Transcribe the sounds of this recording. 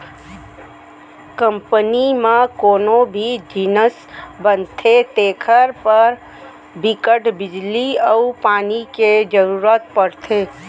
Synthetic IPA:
kə̃mpənimãkoːnobʱid͡ʒɪnəs | bənt̪ʰet̪eːkʰəɾpəɾ | bɪkəʈbɪd͡ʒliəupaːniked͡ʒəɾuːɾət̪pəɾt̪ʰeː

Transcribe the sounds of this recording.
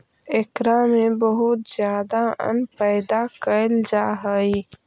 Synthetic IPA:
ɪkɾamẽbəɦʊt̪zjaːd̪aə̰npɛːd̪akəld͡ʒaːɦəi

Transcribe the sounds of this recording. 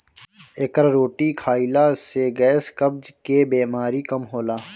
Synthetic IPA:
eːkəɾɾoːʈikʰaːɪlaseɡɛːskəbd͡ʒkebeːmaːɾikɐmɦoːlaː

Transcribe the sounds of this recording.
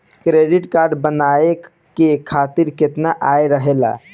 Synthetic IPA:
kɾeɖiʈkaɾɖbənae | kekʰat̪iɾket̪naʔajɾəɦela̰

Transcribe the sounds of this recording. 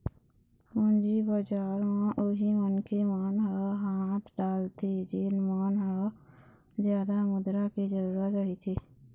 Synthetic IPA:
hʊnd͡ʒibad͡ʒaːɾmãʔʊɦimənkemaːnɦəaɦaːt̪ʰɖaːlt̪ʰed͡ʒeːnmaːnɦəa | zjaːd̪amʊd̪ɾaked͡ʒəɾuːɾaait̪ʰeː

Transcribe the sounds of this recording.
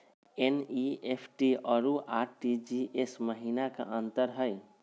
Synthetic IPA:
eniepʰʈiəɾuʔaɾʈid͡ʒiʔesməɦinaka̰ʔə̃nt̪əɾɦəj

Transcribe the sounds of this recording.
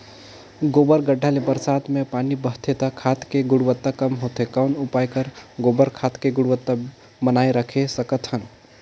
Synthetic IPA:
ɡobəɾɡəɖʱːalebəɾsat̪mepanibəɦt̪ʰet̪akʰat̪keɡuɽʋət̪ːakəmɦot̪ekaʊnupajkəɾɡobəɾkʰat̪keɡʊɽʋət̪ːa | mənajɾəkʰesəkət̪ɦən

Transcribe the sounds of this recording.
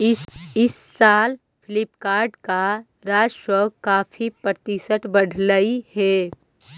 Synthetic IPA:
ɪsɪsːaːl | pʰɪlɪpkaːɾɖka | ɾaːd͡ʒʃɔːɡkaːfʰipəɾt̪isəʈbəɖʱləihɛː

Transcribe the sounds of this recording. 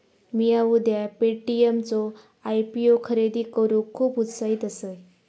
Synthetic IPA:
miaud̪japeʈiemt͡sɔ | ajpiokʰəɾed̪iːkəɾũkʰːuːput͡ssaɦiːt̪əsəj

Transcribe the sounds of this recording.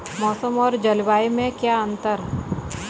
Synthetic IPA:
mɔːsəmɔːɾd͡ʒəlbaːimẽkjaə̃nt̪əɾ

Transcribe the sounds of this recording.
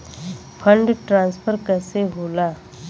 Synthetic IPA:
pʰəɳɖʈɾãnspʰəɾkəseɦola

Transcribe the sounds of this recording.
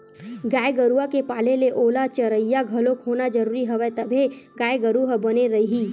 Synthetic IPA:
ɡaːeɡəɾuakepaːleleʔoːlat͡ʃəɾəjaɡʱɐlokɦoːnad͡ʒɐɾuːɾiɦɐʋɛt̪ɐbʱeɡaːeɡəɾuɦbɐneɾɐiɦi

